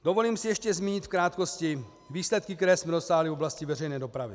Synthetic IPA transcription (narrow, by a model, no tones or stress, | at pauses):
d̥o̞vo̞liːmsɪjɛʃcɛzmʲiːɲɪt̪fkɾaːt̪ko̞scɪ | viːslɛt̪̚kɪk̚t̪ɛɾɛːsmɛdo̞saːɦlɪvo̞blascɪvɛrɛjnɛːdopɾavɪ̰